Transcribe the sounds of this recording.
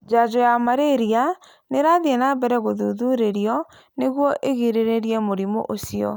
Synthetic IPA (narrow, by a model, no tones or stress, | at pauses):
d͡ʒad͡ʑɔjamaɾeɾia | neɾaðiɛnabɛɾɛɣoðuðuɾeɾiɔ | neɣwɔʔeɣiɾeɾeɾiɛmoɾimo̰ʔosiɔ̰